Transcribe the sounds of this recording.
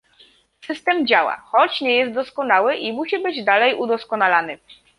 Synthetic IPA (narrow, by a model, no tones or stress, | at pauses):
sɘst̪ɛmd͡ʑawa̰xɔt͡ɕɲɛjɛst̪̚d̪ɔskɔnawɘʔimuɕibɘd͡ʑd̪alɛjud̪ɔskɔnalanɘ